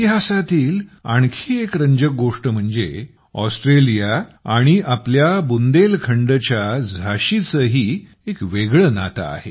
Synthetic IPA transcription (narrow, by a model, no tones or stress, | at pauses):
t̪iɦasat̪iːla̰ɳ̃kʰiːekɾəɲd͡ʑək̚ɡoʂʈəm̤əɳd͡zḛ | ɔsʈɾelijaaɽ̃iʔapljabund̪elkʰəɳɖət͡ɕjad͡zʱaɕit͡səɦi | ekʋeɡɭəna̰t̪a̰ːɦḛ